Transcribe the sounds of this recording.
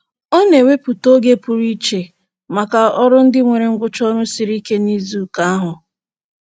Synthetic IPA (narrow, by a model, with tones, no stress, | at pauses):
o˦ne˨we˦pu˨to˦ɡe˦pu˨ɾi˦t͡ʃe˨ | ma˨ka˨ɔ˦ɾʊ˦n̩˦dɪ˦ŋʷe˨ɾe˨ŋ̩˦ɡʷʊ˦t͡ʃɔ˦ɾʊ˦si˨ɾi˦ke˦ni˦zu˦˨ka˦a˦ɦʊ˨